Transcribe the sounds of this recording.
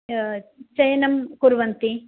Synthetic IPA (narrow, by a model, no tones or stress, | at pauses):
t͡ʃɐjɐnɐmkuɾʋɐnt̪i